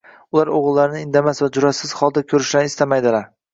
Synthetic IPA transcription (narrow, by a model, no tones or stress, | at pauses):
ʊlaɾoʁɨlˠːaɾɪnɪɪnd̪amasvad͡ʒʊɾasɪz̥hɒlˠd̪akʲʰɵɾɪʃlanɪst̪amajd̪ɪlaɾ